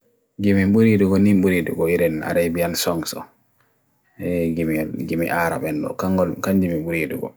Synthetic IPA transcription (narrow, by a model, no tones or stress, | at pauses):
ɡimimɓuɾiduɡɔnimɓuɾidṵɡɔiɾɛna̰ɾajbijansɔŋsɔ̰ | ɛɡimɡimḭʔaɾa̰ɓɛnɗɔ̰kaŋɡɔlkaɲd͡ʒimiɓuɾiduɡɔ̰